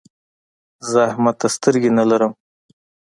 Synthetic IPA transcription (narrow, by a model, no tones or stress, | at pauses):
zəahmat̪ːast̪əɾɡenalaɾəm